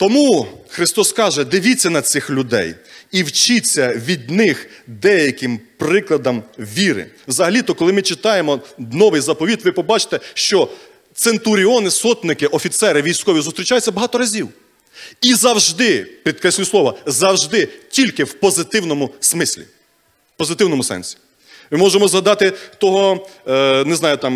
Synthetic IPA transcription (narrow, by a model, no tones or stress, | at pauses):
t̪ɔmuxɾɪst̪ɔskɑʒɛd̪ɪʋʲit͡sʲːɐnɐt͡sʲɪxlʲʊd̪ɛ̰jiwt͡ʃɪt͡sʲːɐʋʲid̪nɪxd̪ɛjɐkɪmpɾɪklˠɐd̪ɐmʋʲiɾɪ̰wzɐɦɐlʲit̪ɔkɔlˠɪmɪt͡ʃɪt̪ɑjemɔnɔʋɪjzɐpɔʋʲit̪ʋɪpɔbɑt͡ʃɪ̥t̪ɛʃt͡ʃɔ | t̪sent̪ʊɾʲiɔnɪsɔt̪nɪkɪʔɔfʲit̪sɛɾɪʋʲijsʲkɔʋʲizʊst̪ɾʲit͡ʃɑjʊtt͡sʲːɐbɐɦɑt̪ɔɾɐzʲiw | izɐwʒd̪ɪpɾʲid̪kɾɛsʲlʲuslˠɔʋɐzɐwʒd̪ɪtʲilʲkɪwpɔzɪt̪ɪwnɔmʊsmɪsʲlʲḭ | pɔzɪt̪ɪwnɔmʊsɛ̰nʲsʲi̥ | mɪmɔʒemɔzɦɐd̪ɑt̪ɪt̪ɔɦɔ | neznɑjʊt̪ɑm